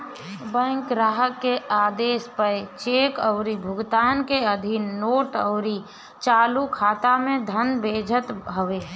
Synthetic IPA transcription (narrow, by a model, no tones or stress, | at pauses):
bə̃ŋkɾaɦəkːeʔaːd̪eːspəɾt͡ʃeːkəʊɾibʱʊɡt̪aːnkeəd̪ʱinːoːʈə̰ʊɾi | t͡ʃaːlukʰaːt̪amẽd̪ʱənbeːd͡ʒʱət̪ɦəʋeː